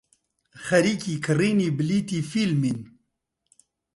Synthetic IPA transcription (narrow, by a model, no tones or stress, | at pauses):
xɐɾikikʰɨrinibliːt̪ifilmin